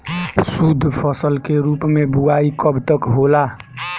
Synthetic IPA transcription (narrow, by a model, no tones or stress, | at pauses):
sud̪ʱːpʰəsəlkeɾupmebuaikəbt̪əkɦola